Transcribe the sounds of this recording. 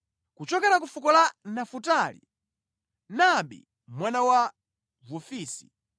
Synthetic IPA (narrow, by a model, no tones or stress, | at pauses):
kut͡ʃɔkɛɾakufukɔlanafutalḭ | naɓḭ | mwanawa | vufiːsi̥